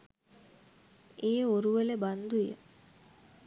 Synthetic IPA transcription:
eːoɾuʋeleband̪ujə̰

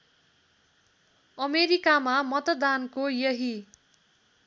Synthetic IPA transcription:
ʌmeɾikamamʌt̪ʌd̪ankojʌɦi

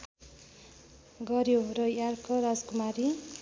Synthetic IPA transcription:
ɡʌɾjoɾʌjarkʌɾad͡zkumaɾi

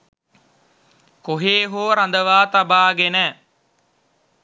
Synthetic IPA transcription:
koɦeːɦoːɾə̃nd̪əʋaːt̪əbaːɡenɛː

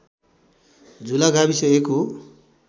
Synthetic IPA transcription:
d͡zulaɡʱabisʌeko

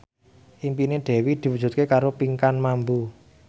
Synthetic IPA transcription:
ʔimpineɖ̪̥ɛ̤wid̪̥i̤wudd͡ʒ̥ṳt̪̚kekaɾopiŋkanmambu

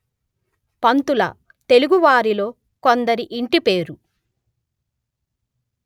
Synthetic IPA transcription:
pɐnt̪ulɐ̰ | t̪e̞luɡuʋaːɾilo̞ː | kond̪ɐɾiʔiɳʈipeːɾu

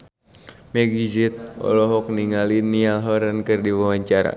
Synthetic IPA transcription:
mɛɡid͡ʒit̪̚ɔ̰lɔɦɔk̚niŋalinialɦɔɾənkɨrdiwawaɲt͡ʃaɾa̰

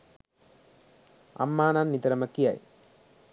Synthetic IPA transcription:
ɐ̰mːaːnaːnnit̪ɐɾɐmɐkːija̰ːj

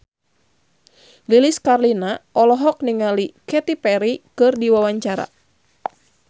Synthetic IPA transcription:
liliskarlinaɔlɔɦɔk̚niŋalikɛt̪ipɛɾikɨrdiwawaɲt͡ʃaɾa̰

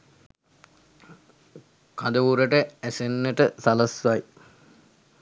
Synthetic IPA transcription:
kad̪əʋuɾəʈəæsenːəʈəsaləsʋaj

